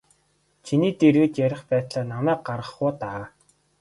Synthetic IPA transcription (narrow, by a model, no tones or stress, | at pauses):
t͡ɕʰiniːt̪erɣɘ̆t͡ɕjæɾʲɪ̆χpæːt̪ɮaːnamæːk̚ɢarʁə̆χʊːt̪aː